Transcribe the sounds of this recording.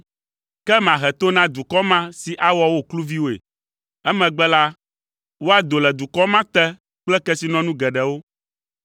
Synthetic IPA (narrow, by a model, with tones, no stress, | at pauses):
kɛ˦m˨ã˨ɦɛ˨t̪o˦nã˦d̪u˨kɔ˦mã˦si˨ʔa˦wɔ˦wo˦klu˦vi˦wo˦ḛ˨ | ɛ˦mɛ̃˨ɡ͡bɛ˦la˦ | wo˦a˨d̪o˨lɛ˨d̪u˨kɔ˦mã˦t̪ɛ˦ | k͡plɛ˦kɛ˦si˨nɔ̃˦nũ˦ɡɛ˨ɖɛ˨wo˦